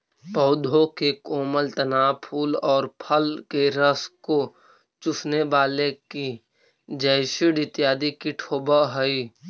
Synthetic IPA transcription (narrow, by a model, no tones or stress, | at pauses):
pɔːd̪ʱõkekoːməlt̪ənaːpʰuːlɔːɾpʰəlkeɾəsko | t͡ʃʊsneʋaːleki | d͡ʒəɪʃɪɽɪt̪jaːd̪ikiʈʰoːbəɦəi